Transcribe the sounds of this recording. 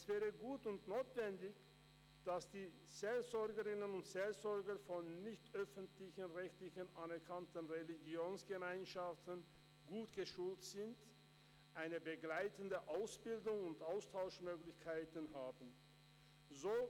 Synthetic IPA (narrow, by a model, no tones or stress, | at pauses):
ɛsv̥ɛːʁəɡuːtʊntnoːtv̥ɛndɪç | d̥asd̥iː | z̥eːlzɔɐɡəʁɪnənʊntz̥eːlzɔɐɡɐfɔnːɪçtʔœfəntlɪçənʁɛçtlɪçənʔanɛɐkʰantən̩ʁeliɡjoːnsɡ̥əmaɪnʃaftən | ɡ̥uːtɡ̥əʃuːltz̥ɪnt | ʔaɪnəbəɡlaɪtəndəʔaʊsb̥ɪldʊŋʊntʔaʊstʰaʊʃmøːɡlɪçkʰaɪtənɦaːbn̩ | zoː